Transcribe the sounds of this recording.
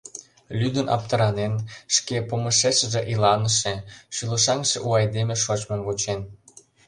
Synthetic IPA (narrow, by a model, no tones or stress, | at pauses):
lʲyd̪ənʔɑ̰p̚t̪əɾɑnenʃkepomə̆ʃeʃə̆ʒĕʔilɑnəʃĕʃylə̆ʃɑŋʃeʔuɑjd̪emeʃot͡ɕmenɡot͡ɕen